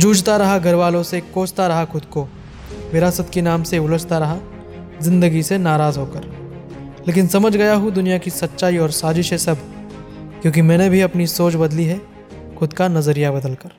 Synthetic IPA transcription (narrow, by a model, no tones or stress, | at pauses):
d͡ʒuːd͡ʒt̪aɾɐɦaɡʱɐɾʋaːlõsekoːt͡ʃt̪aɾɐɦaxʊd̪ko | ʋɪɾaːsət̪kenaːmseʊləst̪aɾɐɦa | zɪ̃nd̪əɡisenaːɾaːzɦoːkəɾ | leːk̬ɪnsɐməd͡ʒʱɡɐjaɦud̪ʊnijakisɐtːʃaːiɔːɾsaːd͡ʒɪʃesɐbʱ | kjõːk̬imɛ̃ːnebʱiɐpnisoːt͡ʃbɐd̪liɦɛ | xʊd̪kanɐzəɾijabɐd̪əlkɐɾ